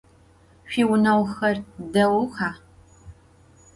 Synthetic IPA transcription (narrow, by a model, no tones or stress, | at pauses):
ɕiːwʊnɐwxɐrdɐwʊxaː